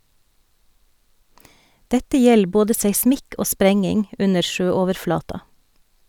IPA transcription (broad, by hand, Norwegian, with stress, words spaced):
ˈdɛtə ˈjɛl ˈboːdə seɪˈsmɪk ˈoː ˈspɾɛŋɪŋ ˈʔʉnə ˈʃøːˌoːʋəɾˌflɑːtɑ